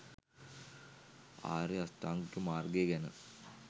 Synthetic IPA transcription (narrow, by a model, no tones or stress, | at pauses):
a̰ːɾeɐsʈaːŋɡʈːumaːrɡeːɡɛnə̰